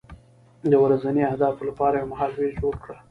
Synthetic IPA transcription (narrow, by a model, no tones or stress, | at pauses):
d̪əwɾazaniahd̪ɑfolapɑɾajemaɦɑlwed͡ʒoɽkɽa